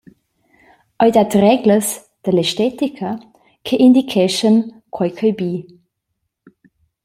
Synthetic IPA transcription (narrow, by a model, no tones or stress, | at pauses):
ʔɔjdatrɛɡləs | d̥əlɛstɛtikʰə | kʰeʔindikʰɛʃən | kʰwajkʰəjbiː